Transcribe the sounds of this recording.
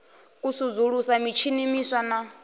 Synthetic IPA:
kʼusud͡zuɺusamit͡ʃʰinimiswana

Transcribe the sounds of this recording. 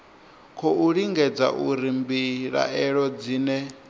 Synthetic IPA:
kʰɔuɺiŋɡɛd͡za̰ʔṵɾimbiɺa̰ɛɺɔd͡ziːnɛ

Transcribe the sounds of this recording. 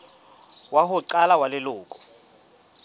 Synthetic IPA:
wahʊǀalawalɪlʊːkʼɔ̥

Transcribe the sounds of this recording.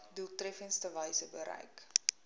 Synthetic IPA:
dulˠtrɛfənstəvɐjsəbəɾɐ̰jk

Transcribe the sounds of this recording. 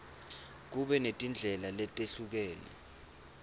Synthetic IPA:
k̬uɓɛnetʼind͡ɮʱɛlalɛtʼeɬuk̬ɛːlɛ̰

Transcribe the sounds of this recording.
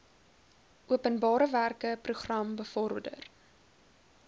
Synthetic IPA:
ʔuəpənbɑːɾəværkəpruχrɐmbəfɔrdə̰r

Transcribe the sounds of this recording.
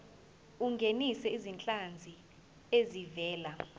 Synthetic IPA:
uŋɡʱenisɛizint͡ɬʼand͡zʱi | ezivɛːla

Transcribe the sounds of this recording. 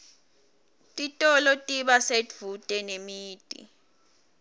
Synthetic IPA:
tʼitʼɔlɔtʼiɓasedv̥utʼɛnemiːtʼḭ

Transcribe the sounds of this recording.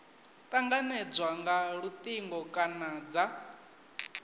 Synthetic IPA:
t̪ʼaŋɡanɛd͡zwaŋɡaɺut̪ʼiŋɡɔkʼanad͡za

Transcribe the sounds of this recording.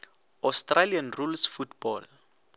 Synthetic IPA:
astralianrulsfutb̥ɔl

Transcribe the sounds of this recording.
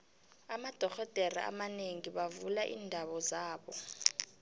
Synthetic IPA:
amad̥ʱɔxɔd̥ʱeɾḭʔa̰maneŋiɓavulaʔiːndʱaɓɔzaːɓɔ

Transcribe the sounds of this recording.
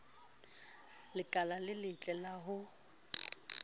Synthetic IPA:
lɪkʼalalɪlɪt͡ɬʼɛlaɦʊ

